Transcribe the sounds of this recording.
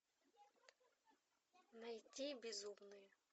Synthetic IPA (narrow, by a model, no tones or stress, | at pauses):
nɐjtʲijbʲizumnɔjʊ